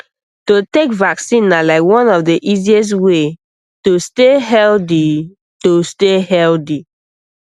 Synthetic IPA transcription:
totekvaksĩnalaɪkwɔ̃nɔfdeʔiziɛs̬twe | tosteɦɛldi | tosteɦɛldi

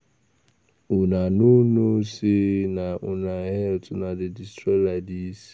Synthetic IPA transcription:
ʊnanunosɪnaʔʊnaɦɛltʊnadɪdɪstɾeladisi̥

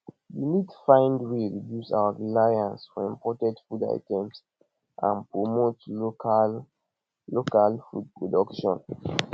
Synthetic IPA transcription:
winidttu̥fãɪ̃ndweɹidjusa̰waɹilajãnsfɔĩmpɔtɛ̃dfuda̰ɪtɛ̃ms | ʔã̰npɹomotlokal | lokalfud̚pɹɔdɔkʃɔ̰̃n

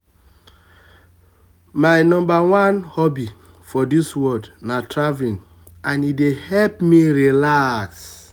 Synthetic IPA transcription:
maɪnɔ̃mbawãnhɔbi | fɔdiswɔdnatɹavlĩn | ãnidehɛlpmiɾilaks

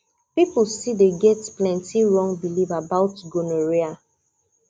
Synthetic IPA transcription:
piplsideɡɛtplɛ̃ntʰiɹɔ̃ŋbilivabaʊtɡonoɹia

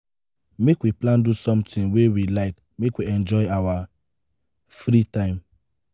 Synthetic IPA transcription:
mekwiplãndusɔ̃mtɪ̃ŋwewilaɪk | mekwiɛ̃nd͡ʒɔɪawa | fɾitãɪ̃m

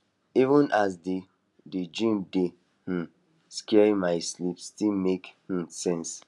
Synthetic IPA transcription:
ivə̃nʔasdi | ded͡ʒĩmde | h̩ | skɛɹĩmaɪslipsstilmekh̩sɛ̃ns

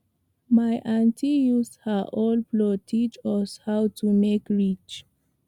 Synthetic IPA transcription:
majʔãntʰijushəʔɔlplɔtʰit͡ʃwɔshawtʰumekɹit͡ʃ

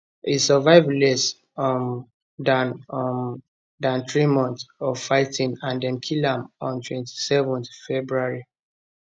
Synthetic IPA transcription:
isɔvaɪvlɛs | m | dãnm | dãntɹimɔ̃nθɔvfaɪtʰĩnãndɛ̃nkʰilãmɔ̃ntʰwɛ̃nti̥sɛvɔ̃nθfɛbɹuaɹi

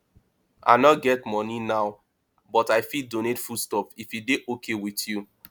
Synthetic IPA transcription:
ʔa̰ɪnɔɡɛtmɔninaʊ | bɔtaɪfidonetfustɔpifjideʔokʰewitju

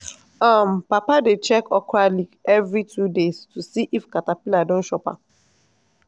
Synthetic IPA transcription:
ãm̩papadet͡ʃɛkɔkʰɾalikɛvɹitʰudestusiʔifkatapiladõn̩ʃɔpa̰

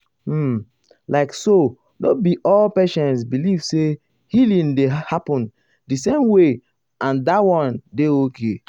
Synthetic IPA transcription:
laɪkso | dobiʔɔlpɛʃɔ̃ns̬bilivse | hilĩndehapɔ̃n | disẽmwe | ãndawɔ̃ndeokʰe

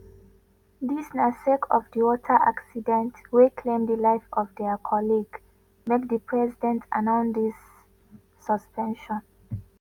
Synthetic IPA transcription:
ðisnasɛkʰɔvdiwɔtʰə˞ʔa̰ksidɛ̃ntwikʰlẽmd̪əlaɪfɔvðɛkʰɔliɡ | med̚ðipʰɹɛzidɛ̃ntʰa̰nãʊ̃ndisː | əspʰɛ̃nʃɔ̃n

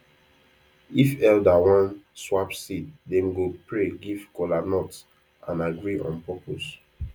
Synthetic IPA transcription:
ifɛldawãnswapsit̚dɛ̃mɡopɹeɡivkɔlanɔt | ãnaɡɹiɔ̰̃npɔpos

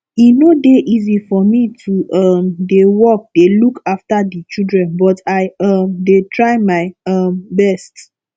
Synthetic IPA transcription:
inodeʔizifɔmitʰuʔʌmdewɔk̚delukaftadit͡ʃidɹɛ̃nbɔtaɪamdetɹaɪmaɪʌmbɛst

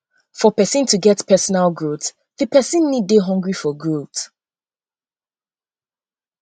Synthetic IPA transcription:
fɔpɛsə̃ntʰuɡɛtpʰɛsɔnalˠɡɹot | ðɨpʰɛsə̃nːid̚deɦɔ̃ŋɡɹifɔɡɹot

